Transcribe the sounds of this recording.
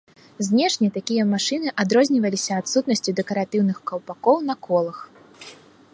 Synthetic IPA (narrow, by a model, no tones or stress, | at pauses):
zʲnʲɛʂnʲɛt̪akʲijɐmaʂɨnɨʔad̪ɾɔzʲnʲivɐlʲisʲɐːt̪sut̪nɐsʲt͡sʲid̪ɛkɐɾat̪ɨwnɨxkɐwpakɔwn̪ɐkʰɔlˠɐx